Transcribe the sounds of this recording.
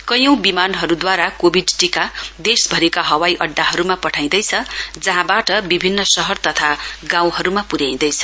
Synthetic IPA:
kʌjʌ̃w̃bimanɦʌɾud̪waɾakobʱiɖʈikad̪esbʱʌɾekaɦʌwajʔʌɖːaɦʌɾumapʌʈʰaj̃d̪ʌjt͡sʰʌd͡zʌɦãbaʈʌbibʱinːʌsʌɦʌrt̪ʌt̪ʰaɡãw̃ɦʌɾumapuɾjaj̃d̪ʌjt͡sʰʌ̥

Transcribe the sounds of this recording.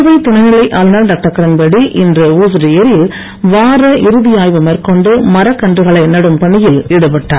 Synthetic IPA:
ʋɐɪt̪ːʊɳɐɪnɪlɐɪʔaːlnɐɾɖɐːk̚ʈːɐkːɐɾɐnbɐɽiʔɪndrɯuːsɾɪjɐɾɪl | ʋaːɾɐʔɪɾɯðɪjaːjʋɐmɐɾkɔɳɖɯmɐɾɐkːɐɳdrɯɣɐɭɐɪnɐɽɯmpɐɳːɪjɪlɪɽɯpɐʈːaːɾ

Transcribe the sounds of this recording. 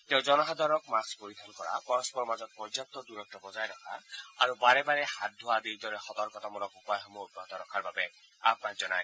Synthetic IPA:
t̪ewd͡ʒɔnɔɦad̪aɾɔkmaspoɾid̪ʱʰɔnkɔɹa̰pɔɾɔspɔɾɔmazɔt̪̚pɔjd͡ʒap̚t̪ɔd̪uɾɔk̚t̪ʰɔbɔzajɾɔkʰa̰aɾubaɾebaɾehat̪̚d̪ʱoad̪ed̪ɔɾexɔt̪ɔɾkɔt̪ɔmɔɾɔkupajɦɔmot̪ːɔt̪ɔɾɔkʰaɾbabe | apnakd͡ʒɔna̰j

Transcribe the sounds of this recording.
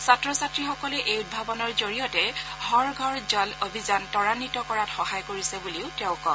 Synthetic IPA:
satɹɔsatɹixɔkɔlɛʔejud̚bʱabɔnɔɹzoɹijɔtɛɡʱɔɹɡʱɔɹzɔlobʱizantɔɹanitɔkɔɹatxɔhajkoɹisɛbuliʊtɛʊkɔ̰

